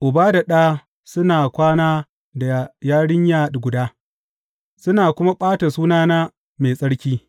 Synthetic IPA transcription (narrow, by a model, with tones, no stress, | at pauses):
ʔʊ˨baː˦da˨ɗaː˦ | sʊ˦naː˨kʷaː˦naː˦ | da˨jaː˦ɽɪ˦ɲjaː˦ɗɡʷʊ˨daː˦ | sʊ˦naː˨kʷʊ˦ma˦ɓʼaː˦ta˨suː˦naː˦naː˦ | meː˨sʼɐ˦ɽkʲiː˦